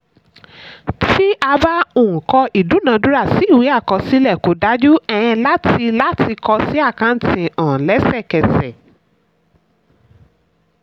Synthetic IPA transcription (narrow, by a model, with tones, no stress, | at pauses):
ti˦ʔa˧ba˦o˦˨ũ˨kɔ˧ʔi˨du˨˦nã˨˧du˦ɾa˦˨si˨˦i˦˨wi˨˦a˦˨kɔ˧si˦lɛ˦˨ko˨˦da˨˦d͡ʒu˦ɛ˧˨j̃ɛ̃˧la˦tʰi˧la˦tʰi˧kʰɔ˧si˦a˦˨kã˧n̩˦tĩ˨ɔ̃ː˨lɛ˨˦sɛ˦˨kɛ˨sɛ˨